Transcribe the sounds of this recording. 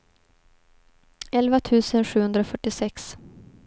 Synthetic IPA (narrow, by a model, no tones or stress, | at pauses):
ɛlvat̪ʰʉ̟ːsənɧʉhɵnd̪ɾaofœʈːɪsɛks